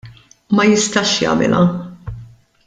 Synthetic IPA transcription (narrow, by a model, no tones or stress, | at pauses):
mɐjɪst̪ɐʃjɐ̰ːmɪ̰lɐ